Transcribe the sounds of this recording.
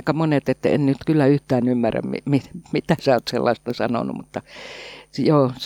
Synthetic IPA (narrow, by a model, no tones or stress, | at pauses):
ikɑmonet̪et̪ːæ̰ḛnnyt̪kylːæyht̪æːnymːæræ̰mmḭmimit̪æsæoːt̪sḛlːɑ̰est̪ɑsɑno̰nṵmut̪ːɑ | joːs